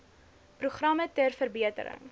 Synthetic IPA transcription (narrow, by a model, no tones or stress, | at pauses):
pruχrɐmətərfərbiətə̰ɾə̰ŋ